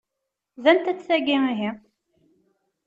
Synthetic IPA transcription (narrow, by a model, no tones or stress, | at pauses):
ðænt̪æt͡sːθæɡiiɦi